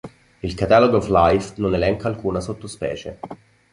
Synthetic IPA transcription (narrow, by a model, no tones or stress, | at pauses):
ilkat̪aloɡɔvlajfnonelɛŋkaːlkuːnasot̪ːospɛ̰ːt͡ʃe